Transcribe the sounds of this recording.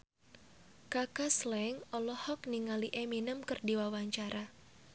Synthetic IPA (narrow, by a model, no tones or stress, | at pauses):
kakaslɛŋɔlɔhɔk̚niŋaliʔeminəmkərdiwawaɲt͡ʃaɾa